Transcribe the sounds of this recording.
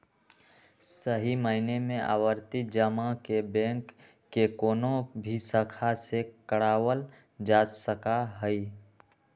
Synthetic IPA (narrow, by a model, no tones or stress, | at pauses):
səɦiməɪnemẽʔa̰ːwəɾt̪id͡ʒəmakebɛ̃ŋkː | ekoːnobʱisəkʰasekəɽaːwəl | d͡ʒaːsəkaɦəi